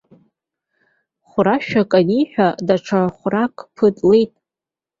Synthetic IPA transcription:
χʷʊɾaʃᶣakʼaniħᶣadaʈ͡ʂʰaχʷrakʼpʰɨtʼlejtʼ

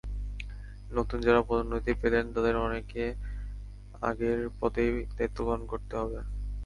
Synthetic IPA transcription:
not̪und͡ʑaɾapod̪ʱonːot̪ipelent̪ad̪eɾɔneke | a̰ɡeɾpɔt̪ejd̪ajt̪ːokɔɾonkoɾt̪eɦɔbe

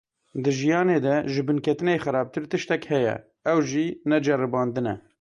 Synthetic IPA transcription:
d̪ɨʒijɑːneːd̪ɛʒɨbɨnkʰɛt̪ɨneːxæɾɑːb̚t̪ɨɾt̪ɨʃt̪ɛkhɛjɛ̰ | ɛwʒinɛd͡ʒɛrɨbɑːnd̪ɨnɛ̰

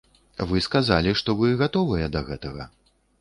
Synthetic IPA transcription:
vɨskazalʲiʂt̪ɔvɨɣat̪ɔvɨjɛd̪ɐɣɛt̪ɐɣɐ

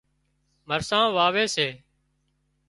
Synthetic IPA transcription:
məɾsãːʋaːʋeːseː

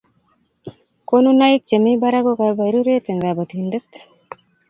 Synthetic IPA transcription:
konunaik̚t͡ʃemibaɾaɡokabaɾuɾet̪eŋɡabat̪indet̪

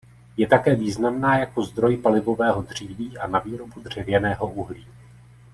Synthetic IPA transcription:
jɛt̪akɛːviːznamnaːjako̞zd̪ɾo̞jpalɪvo̞vɛːɦo̞dr̝̥iːviːʔanaviːɾo̞bud̪r̝̥ɛvjɛnɛːɦo̞ʔuɦliː

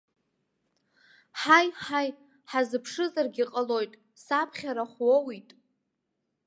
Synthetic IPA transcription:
ħajħaj | ħazɨpʰʂɨzarɡʲiqʼəlo̞jtʼ | sapʰχʲaɾaχʷwowitʼ

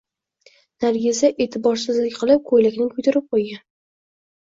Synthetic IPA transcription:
naɾɡʲɪzaʔet̪ʰɪbɒɾsɪzlɪkʲqʰɨlˠɪp̚kʰojlakʲnɪŋkʰʊt̪ʰɪɾɪp̚qʰojɡʲan

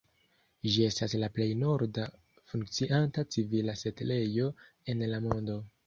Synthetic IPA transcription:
ʒie̞staslaple̞jno̞ɾda | fuŋkt͡siʔantat͡sivilase̞tle̞jo̞ | e̞nlamondo̞

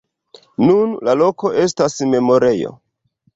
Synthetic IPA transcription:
nunlalo̞ko̞ʔe̞stasme̞mo̞ɾe̞jo̰

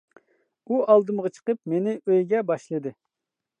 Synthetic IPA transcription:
uʔɑlˠd̪ɨmʁɑt͡ʃʰə̥qəp̚menɪʔøjɡʲɛbɑʃlˠɨd̪ɨ

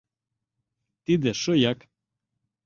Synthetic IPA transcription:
t̪id̪eʃɤjɑk

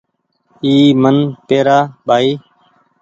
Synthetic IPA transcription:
iːmənt̪eːɾaːɓaːiː

